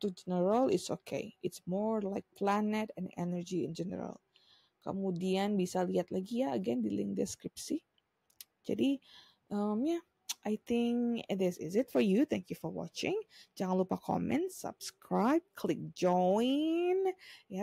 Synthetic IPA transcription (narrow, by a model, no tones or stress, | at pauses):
t̪ud͡ʒɛnəɹəlɪtsokʰḛjɪtsmɔɹlajk̚planɛt̪ɛ̃nɛ̰nəɹd͡ʒiɪ̰nd͡ʒɛnə̰ɾa̰l | kə̰mudianbisaliat̪̚laɡijaəɡɛndilɪ̰ŋkdɛskɾɪp̚si | d͡ʒa̰di | ʔəmja | ʔajt̪ɪŋkd̪ɪsɪ̰zɪtfɔɹjut̪ʰɛŋkjufɔɹwɔ̰t͡ʃɪ̰̃ŋd͡ʒaŋanlupakʰɔ̰mɛ̰̃nt̪sa̰b̥skɾajb̚kʰlɪk̚d͡ʒɔɪnja